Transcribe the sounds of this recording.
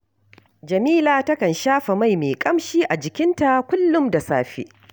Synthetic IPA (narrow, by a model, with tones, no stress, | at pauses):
d͡ʒɐ˨miː˦laː˨tɐ˦kɐ˨nʃaː˦ɸa˨ma˦˨jmeː˨kʼɐ˦mʃiː˦ʔa˨d͡ʒɪ˨kʲɪ˦nta˨kʷʊ˦lːʊ˦mda˨saː˦ɸḭ˦ʔ